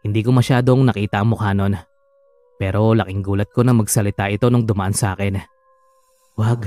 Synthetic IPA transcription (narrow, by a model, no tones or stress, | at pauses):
hɪnd̪iːko̞mɐʃaːd̪o̞ŋnɐkiːt̪ɐʔɐŋmʊkano̞n | pɛːɾo̞lɐkɪŋɡuːlɐt̪̚ko̞nɐmɐɡsɐlɪt̪aʔɪt̪o̞noŋd̪ʊmɐʔansɐʔa̰ːkɛn | waɡ